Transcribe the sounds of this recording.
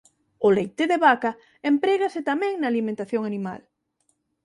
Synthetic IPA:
olejt̪eðeβaka | empɾeɣaset̪amɛ̃ŋnaːlimẽnt̪aθjoŋanima̰l

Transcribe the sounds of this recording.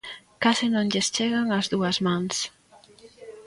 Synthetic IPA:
kasɪnõŋʎest͡ʃeɣaŋɐzðuɐzmãŋs

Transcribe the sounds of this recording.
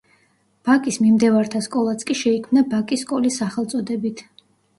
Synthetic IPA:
b̥akʼismimd̪ɛvaɾt̪ʰaskʼɔlˠat̪sʰkʼiʃɛikʰmnabakʼisːkʼɔlisaχɛlˠt̪sʼɔd̪ɛbit̪ʰ

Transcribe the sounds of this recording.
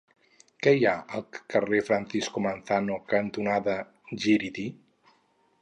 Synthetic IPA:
kɛjaəlˠkərefɾanθiskomanθanokənt̪unaðə | ʒiɾit̪i

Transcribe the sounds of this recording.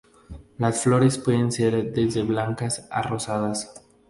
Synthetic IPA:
lasflo̞ɾe̞spwe̞ðenseɾd̪ezðe̞βlaŋkasa̰ro̞saðas

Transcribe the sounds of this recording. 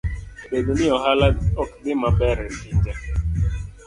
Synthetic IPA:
bedonɪɔɦalaɔk̚dɪmabɛɾɛnid͡ʒa

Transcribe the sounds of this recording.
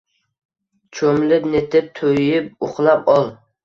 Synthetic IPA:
t͡ʃʰomlɪpnet̪ʰɪp̚t̪ʰojɪp̚ʊχlˠɑpɒlˠ

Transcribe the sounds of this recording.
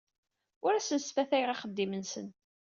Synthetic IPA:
ʊɾæsənsfæθæjʁɑχəd̪ːimənsən

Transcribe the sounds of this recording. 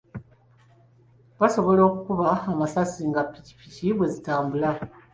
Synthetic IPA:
βaso̞βo̞lo̞ːkukuβaːmasasiŋɡapːici̥piciβwe̞zitaːmbula

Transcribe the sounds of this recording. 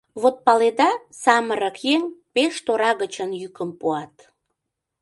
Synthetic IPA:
βot̪̚pɑled̪ɑ | sɑməɾəkjeŋpeʃt̪oɾɑɣət͡ɕənjykəmpuɑt̪

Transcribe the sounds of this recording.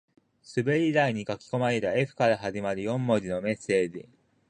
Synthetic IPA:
sɨbeɾʲid̪aiɲ̟ikakʲi̥ko̞maɾe̞t̪ae̞ɸɯ̟̥kaɾaɦaʑimaɾɯ̟jõ̞mːo̞ɾʲinome̞sːe̞ːd͡ʑi

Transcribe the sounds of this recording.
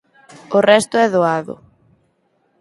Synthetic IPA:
ʊrɛst̪ʊɛðoaðʊ̰

